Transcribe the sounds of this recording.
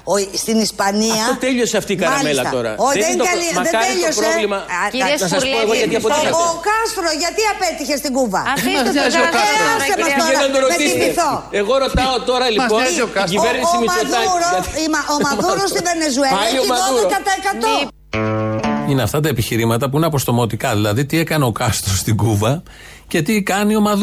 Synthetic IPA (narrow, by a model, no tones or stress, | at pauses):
ost̪inispɐniɐɐot̪eʎoseɐft̪iːkɐmɐlmielsɐt̪ɐ̰t̪oɾɐ̰oðeŋkɐliðeeʎosɾeovlimɐnsɐspoeɣoʝɐt̪iɐpoeɐokɐst̪ɾoʝɐt̪iɐpet̪içe̞st̪iɡuvɐ | oɐsɐsemɐsoeɐt̪oɾomet̪isiieθoeɣoɾot̪ɐot̪o̞ɾɐliosiveɾnisomimɐðɐɾoimɐʔomɐðuɾost̪ivenezueɐliomɐuokɐt̪ɐekɐt̪o | ineɐft̪ɐt̪ɐepiçiɾimɐt̪ɐpuineɐpo̞st̪o̞mo̞t̪ikɐðilɐðit̪ie̞kɐne̞o̞kɐst̪ɾost̪iɡuvɐ | ce̞t̪ikɐnio̞mɐð